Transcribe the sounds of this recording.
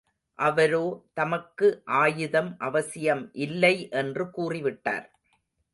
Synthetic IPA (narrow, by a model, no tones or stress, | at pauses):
ʔɐʋɐɾoːt̪ɐmɐkːɯʔaːjɯðɐmʔɐʋɐsɪjɐmʔɪlːɐɪʔɛndrɯkuːrɪʋɪʈːa̰ːɾ